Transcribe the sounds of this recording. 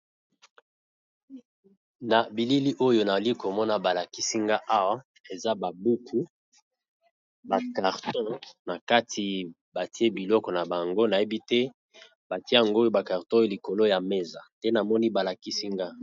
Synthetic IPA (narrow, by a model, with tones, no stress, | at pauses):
na˨bi˨li˦li˦ʔo˦jo˦na˨li˦ko˨mɔ˦na˨ba˨la˨ki˦si˦ŋɡa˦ʔa˦wa˦ | e˨za˦ba˨bu˦kʰu˦ | ba˨ka˨ʁtɔ̃˦na˨ka˦tʰi˨ | ba˨ti˦e˦bi˨lɔ˦kɔ˨na˨ba˨ŋɡo˦na˨je˦bi˦tɛ˦ | ba˨ti˦e˦a˨ŋɡo˦jo˦ba˨ka˨ʁtɔ̃˦o˦li˨ko˨lo˦ja˨me˦za˨tɛ˦na˨mɔ˦ni˦ba˨la˨ki˦si˦ŋɡa˦